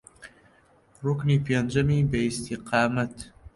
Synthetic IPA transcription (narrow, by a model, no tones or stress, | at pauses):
rʊkniːpend͡ʒɐmiːbɐist̪ʰiqɑːmɐt̪